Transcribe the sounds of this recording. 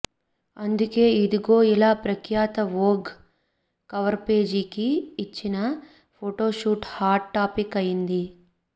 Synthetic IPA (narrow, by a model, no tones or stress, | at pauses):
ɐnd̪uke̞ːid̪uɡo̞ːilaːpɾɐkʰjaːt̪ɐʋoːɡ | kɐʋɐɾpe̞ːd͡ʒikiːt͡ʃːinɐ | pʰoːʈoːʃuːʈhaːɾʈʈːaːpikɐjind̪i